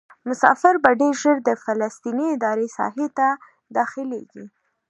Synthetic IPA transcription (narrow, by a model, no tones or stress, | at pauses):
mʊsɑ̰fɪɾbaɖeɾʒəɾd̪əfalast̪iniɪd̪ɑɾesɑ̰ɦet̪a | d̪ɑxɪlḛɡḭ